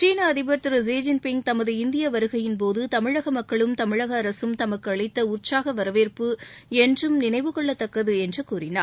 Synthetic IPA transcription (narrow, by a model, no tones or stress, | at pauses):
t͡ʃiːnɐɐðɪbɐɾt̪ɪɾɐs̬eːd͡ʒɪnpɪŋ̚t̪ɐmɐðɯɪnd̪ɪjɐʋɐɾɯɣɐjɪnpoːðɯt̪ɐmɪɻɐɣɐmɐkːɐɭɯmt̪ɐmɪɻɐɣɐːɾɐsɯmt̪ɐmɐkːɯɐɭɐɪt̪ːɐʊrt͡ʃaːɣɐʋɐɾɐʋeːrpɯɛndrɯmnɪnɐɪʋɯkɔɭːɐt̪ːɐkːɐðɯɛndrɯkuːrɪna̰ːɾ